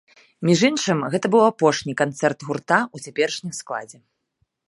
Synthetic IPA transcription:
mʲiʐɨnʂɨmɣɛt̪ɐbɨwapɔʂnʲikant̪sɛrt̪ɣurt̪aut͡sʲapʲɛɾɨʂnʲimsklˠa̰d͡zʲɛ

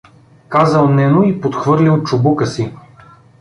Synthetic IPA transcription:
kazəlˠnɛnʊipot̪xvɤɾlʲilˠt͡ʃʊbukəsi

